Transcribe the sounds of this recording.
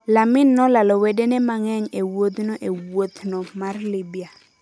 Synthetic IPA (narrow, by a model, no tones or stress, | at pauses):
lamɪnːɔlalɔwedenɛmaŋɛŋewod̪nɔʔewot̪nɔmarlibia